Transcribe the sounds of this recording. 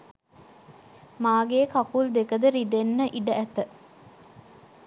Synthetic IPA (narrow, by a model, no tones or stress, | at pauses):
maːɡeːkakuld̪ekəd̪əɾid̪enːəʔiɖəʔæt̪ə